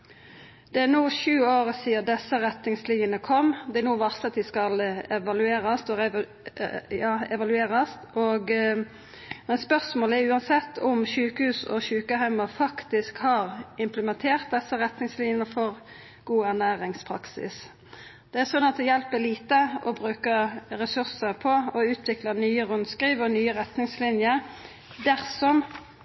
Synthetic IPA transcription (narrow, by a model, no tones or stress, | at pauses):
d̪ɛænuːʃʉːoːʁəsiːəd̪ɛsːəɾɛt̪nɪŋslinənəkʰɔmːd̪ɛæɾnuːʋɑʁst̪ɑt̪ʋɪskɑlɛʋɑlʉeːʁɑst̪ɔɛ | jɑːɛʋɑlʉeːʁɑst̪oːɡ | mɛnspœʁsmoːləæjʉːɑnsɛt̪ːʊmʃʉːkəhʉːsɔ̰ʃʉːkəɦæɪmɑfɑkt̪ɪskhɑːʁɪmpləmɛnt̪ʰeːʁt̪̚d̪ɛsːəɾɛt̪nɪŋslɪnjəəfɔʁ | ɡ̥uːæʁnæːɾɪŋspʰɾɑ̰ksɪ̰s | d̪̥ɛæsɔnɑt̪ʰɛjɛlpəliːt̪əɔbɾʉːkəɾɛsʉʁsəpʰɔɔʉːt̪ʰʋɪklɑnyːəʁʉnd̪skɾiːʋɔnyːəʁɛt̪nɪŋslɪnjəɾ | d̪æʁsɔm